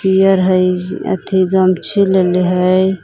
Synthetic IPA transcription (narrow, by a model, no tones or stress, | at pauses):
ijəɾɦəjə̰t̪ʰiɡəmt͡ʃʰileleɦəj